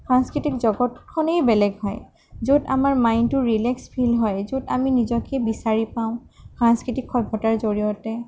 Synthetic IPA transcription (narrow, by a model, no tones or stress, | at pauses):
pʰɹanskɹitikzɔɡɔtkʰɔnejbɛlɛɡɦɔj | zoda̰maɹmajntʊɹilɛkspʰilɦɔjzodaminizɔkebisaɹipaʊ̃pʰɹanskɹitikʰːɔbʱɔtaɹzoɹiɔtɛ